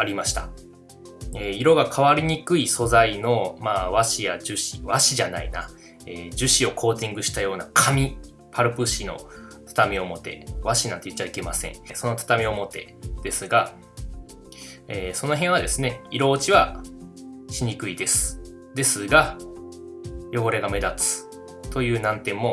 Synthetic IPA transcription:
aɾʲimaɕi̥t̪a | eiɾo̞ɡakʰaβaɾʲiɲ̟ikɯ̟iso̞zaino̞maːβaɕijad͡ʑɨɕi̥βaɕiʑana̰ḭna | eːd͡ʑɨɕio̞kʰo̞ːt̪ĩŋɡɯ̟ɕi̥t̪ajo̞ːnakʰamʲi | pʰaɾɯ̟pɯ̟ɕino̞̰t̪ʰḁt̪amʲio̞mo̞t̪e̞̰βaɕinãnt̪e̞jɯ̟tːβaike̞masẽ̞̰ɴso̞no̞t̪ʰḁt̪amʲio̞mo̞t̪e̞̰ | d̪̥e̞sɨɡa | eːso̞no̞ɦẽɰ̃β̞ad̪e̞sɨne̞iɾo̞ːt͡ɕiβa | ɕiɲ̟ikɯ̟id̪e̞sɨ̥ | d̪e̞sɨɡa | jo̞ɡo̞ɾeɡame̞d̪at͡sɨ̥ | t̪o̞jɯ̟ːnãnt̪ẽ̞mːo̞

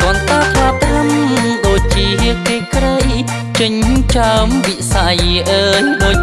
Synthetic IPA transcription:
t̪ŏənt̪aːt̪ʰlaːt̪ʰamɗoːc̚t͡ɕiəɦiəkeːkɾəj | t͡ɕɨɲt͡ɕaəmʋisajʔəːjɗoː

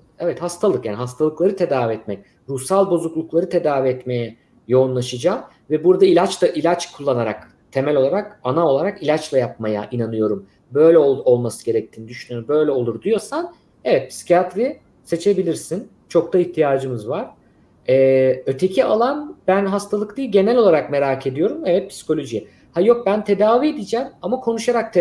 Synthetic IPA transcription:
ɛvɛt̪hast̪ʰalˠɯkjaːniɦast̪ʰalˠɯklˠaɾɯt̪ʰe̞d̪aːviɛt̪mɛc | ɾusalˠbo̞zuklˠuklˠaɾɯt̪ʰe̞d̪aːviɛt̪me̞jɛ | jo̞unlˠaʃɯd͡ʒaːm | vɛbuɾd̪ailʲat͡ʃlaʔilʲat͡ʃkʰulˠːanaɾak | t̪ʰe̞mælʲo̞lˠaɾakanao̞lˠaɾakilʲat͡ʃlˠajap̚maja̰ʔinanɯjo̞ɾum | bø̞jlʲɛoo̞lˠmasɯ̥ɟe̞ɾɛc̚t̪ʰiːnid̪yʃynyjoɾbø̞jlʲɛo̞lˠuɾd̪ijo̞san | evɛt̪̚pʰi̥si̥cʰjat̪ɾi | se̞t͡ʃʰe̞bilʲiɾsin | t͡ʃʰo̞k̚t̪ʰaiçt̪ʰijaːd͡ʒɯmɯzvaɾ̥ | ɛːøt̪ʰe̞cʰialˠanb̥ænɦast̪ʰalˠɯkd̪iːlʲɟe̞nælʲo̞lˠaɾakme̞ɾaːcʰe̞d̪ijo̞ɾumevɛt̪̚pʰi̥si̥ko̞lʲo̞ʒijɛ | hajo̞k̚bænt̪ʰe̞d̪aːviːd̪id͡ʒɛːmamakʰo̞nuʃaɾak̚t̪ʰ

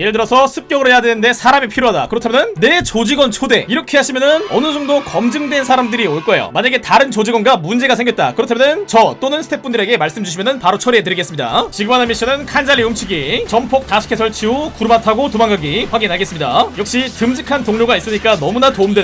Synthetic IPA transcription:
jeɾɯɭtɯɾʌsʰʌsʰɯp̚k͈jʌɡɯɾoejadwenɯnde̞sʰaɾamipʰiɾjoɦada̰kɯɾʌtʰamʌɯnːe̞t͡ɕod͡ʑiɡwʌnt͡ɕʰode̞̰iɾʌkʰe̞ɦaɕʰimjʌnɯnʌnɯd͡ʑʌŋdokʌmd͡ʑɯŋdwe̞nsʰaɾamdɯɾioɭk͈ʌejo̰maɲaɡe̞taɾɯnt͡ɕod͡ʑiɡwʌnɡamund͡ʑe̞ɡasʰe̞ŋɡjʌt̚t͈a̰kɯɾʌtʰamjʌnɯnt͡ɕʌt͈onɯnsʰɯ̥tʰep͈undɯɾe̞ɡe̞maɭs͈ɯmd͡ʑuɕ̬ʰimjʌnɯnpaɾot͡ɕʰʌɾet̬ɯɾiɡe̞s͈ɯmɲida̰t͡ɕiɡɯmanamiɕ͈ʰinɯnkʰand͡ʑaʎːiumt͡ɕʰiɡit͡ɕʌmpʰok̚t͈aɕʰi̥kʰe̞sʰʌɭt͡ɕʰiokuɾumatʰaɡotomaŋɡaɡiɸwaɡinɦaɡe̞s͈ɯmɲidajʌk̚ɕ͈itɯmd͡ʑikʰantoŋɲoɡais͈ɯɲik͈anʌmunatoumdwe

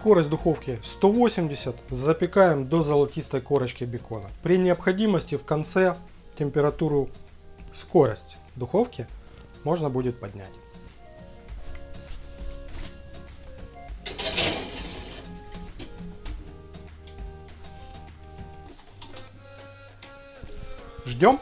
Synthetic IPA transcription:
sko̞ɾəsʲt̪ʲd̪ʊxo̞fkʲɪst̪o̞vo̞sʲɪmʲdʲɪsʲət̪zəpʲɪkajɪmd̪ozəlˠɐtʲist̪əjko̞ɾət͡ɕkʲɪbʲɪko̞nəpɾʲɪnʲɪɐpxɐdʲiməsʲtʲɪfkɐnt̪sɛ | tʲɪmʲpʲɪɾɐt̪uɾʊ | sko̞ɾəsʲtʲ | d̪ʊxo̞fkʲɪ | mo̞ʐnəbudʲɪt̪̚pɐdʲnʲæ̰tʲ | ʐdʲo̞m

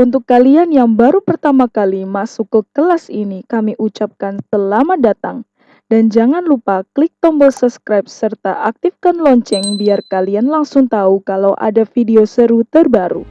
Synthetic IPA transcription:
ʔunt̪ʊkːalianjaŋbaɾupərt̪amakalimasukːəkəlasinikamiʔut͡ʃap̚kansəlamadat̪aŋ | dand͡ʒaŋanlupaklik̚t̪ɔmbəlsəpskɾajp̚sərt̪a̰ʔak̚t̪ɪfkanlɔɲt͡ʃɛŋbiarkalianlaŋsʊŋt̪aukalawʔa̰dafideosəɾut̪ərbaɾṵ

